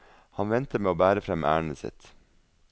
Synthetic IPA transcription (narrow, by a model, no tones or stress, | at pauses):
hɑnʋɛnt̪əmeːoːbæːɾəfɾɛmʔæ̰ːɳəsɪ̰t̪